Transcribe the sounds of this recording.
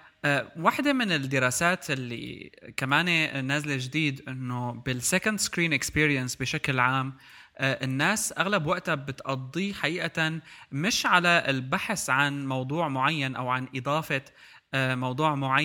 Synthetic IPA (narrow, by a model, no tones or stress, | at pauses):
ʔwaħd̪emɪnɪd̪ɪɾˤɑːsaːt̪ɪlːḭkamaːnenazleʒd̪iːd̪ʔɪnːobɪlsɛkand̪skɾiːnʔɪkspiːɾijansbɪʃaklʕaːm | ʔʔɪnːaːsʔaɣlabwaʔt̪abɪt̪ʔɑd̪ˤːiħaʔiːʔamɪʃʕalaɪlbaħsʕanmɑwd̪ˤuːʕmʊʕajːanʔa̰wʕanʔɨd̪ˤɑːfɑ | mɑwd̪ˤuːʕmʊʕajː